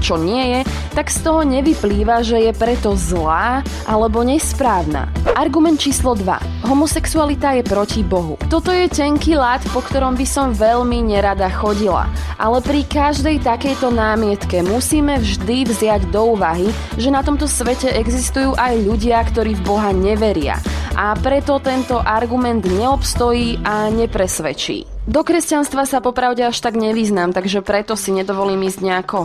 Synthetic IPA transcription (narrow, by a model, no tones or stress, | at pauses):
t͡ʃɔɲɪɛjɛ | t̪aɡst̪ɔɦɔɲɛʋipliːʋaʒɛjɛpɾɛt̪ɔzlaː | ʔalɛbɔɲɛspɾaːʊna̰ːʔaɾɡumɛnt̪̚t͡ʃiːslɔd̪ʋa̰ | ɦɔmɔsɛksualit̪ajɛpɾɔcibɔɦṵt̪ɔt̪ɔjɛcɛŋkiːlaːt̪pɔkt̪ɔɾɔmbisɔmʋɛʎmiɲɛɾad̪axɔɟila̰ʔalɛpɾikaʒd̪ɛjt̪akɛjt̪ɔnaːmɪɛt̪kɛmusiːmɛvʒd̪ivzɪaɟd̪ɔuːʋaɦi | ʒɛnat̪ɔmt̪ɔsʋɛcɛʔɛɡzist̪ujuːʔajʎuɟɪakt̪ɔɾiːvbɔɦaɲɛʋɛɾɪa̰ʔapɾɛt̪ɔt̪ɛnt̪ɔʔaɾɡumɛnd̪ɲɛɔpst̪ɔjiːaɲɛpɾɛsʋɛt͡ʃḭːd̪ɔkɾɛscanst̪ʋasapɔpɾaʊɟɛaʃt̪aɡɲɛʋiːznaːmt̪aɡʒɛpɾɛt̪ɔsiɲɛd̪ɔʋɔliːmiːzɟɲɛakɔ